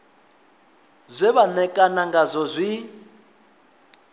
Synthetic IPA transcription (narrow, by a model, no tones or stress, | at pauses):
zʷɛβanɛkʼanaŋɡazʷɔzʷi